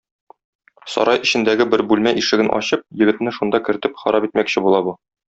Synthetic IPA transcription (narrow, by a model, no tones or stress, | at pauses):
sɒ̰ɾʔɑjɘ̆ɕɘ̆nd̪æɡɘbɘɾbʉlmæʔiʃɘ̆ɡɘnʔɒ̰ɕɤp̚jɘ̆ɡɘ̆t̪nɘʃund̪ɑkɘ̆ɾ̆t̪ɘpχɒ̰ɾɑpit̪mækɕɘbulˠɑbu